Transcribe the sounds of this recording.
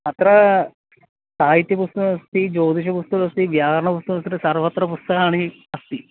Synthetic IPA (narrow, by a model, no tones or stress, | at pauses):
ɐt̪ɾɐ | saːɦit̪jɐpust̪ɐɐst̪id͡ʑoːd̪iɕ̬ɐpust̪ɐkɐst̪iʋjaːɦɐɾɐɳɐpust̪ɐkɐst̪ɐt̪ɨsɐrʋɐt̪ɾɐpust̪ɐkaːɳi | ɐst̪i